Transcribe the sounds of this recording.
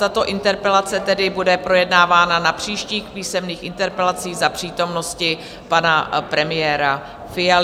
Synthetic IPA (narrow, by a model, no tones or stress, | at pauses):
t̪at̪o̞ʔɪnt̪ɛɾpɛlat͡sɛt̪ɛdɪbudɛpɾo̞jɛdnaːvaːnanapr̝̥iːʃciːxpiːsɛmniːxʔɪnt̪ɛɾpɛlat͡siːzapr̝̥iːt̪o̞mno̞scɪ | panapɾɛmɪjɛːɾa | fɪjal